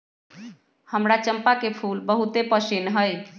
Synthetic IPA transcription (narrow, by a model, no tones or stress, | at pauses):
həmɾat͡ʃəmpakepʰulbəɦut̪epəsinɦəj